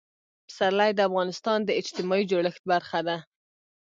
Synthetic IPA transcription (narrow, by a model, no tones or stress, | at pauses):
saɾlajd̪əafɣɑnɪst̪ɑnd̪əɪt͡ʃt̪ɪmɑid͡ʒoɽəxt̪̚baɾxad̪a